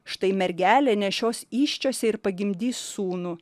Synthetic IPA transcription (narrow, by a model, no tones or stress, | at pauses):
ʃt̪ɐɪmʲɛɾʲɡʲæːlʲeːnʲɛʃʲoːsiːʃʲt͡ʃʲoːsʲɛɪɾpɐɡʲɪmʲd̪ʲiːsːuːnu